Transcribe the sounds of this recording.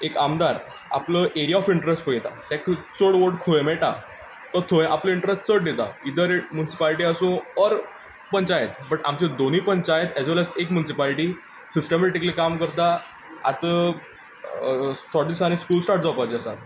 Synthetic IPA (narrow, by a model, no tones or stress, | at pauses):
ekamd̪aɾ | a̰pləʔeɾijaɔfiɳʈɾesʈpəit̪a̰t̪jãkʰət͡səɽʋoɖkʰoẽmeʈa | t̪ɔt̪ʰoẽʔapləiɳʈɾesʈsəʈ̚ɖ̪et̪a̰id̪əɾmjunisi̥paliʈiəsũɔɾ | pəɲt͡ɕajet̪bəʈamt͡ɕẽd̪on̤iːpəɲt͡ɕajet̪ɛd͡zʋɛləsekmjunisipaliʈiː | sisʈəmɛʈikəlikamkəɾt̪a | a̰t̪ə | sɔʈisaɽ̃iskuːlsʈaɾʈ̚d͡zawpat͡ɕəsa̰